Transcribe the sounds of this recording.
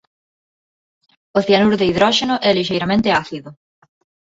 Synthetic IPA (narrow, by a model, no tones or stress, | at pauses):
ʊθianuɾðeiðɾɔʃenʊʔɛliʃejɾamẽnt̪ɪaθiðʊ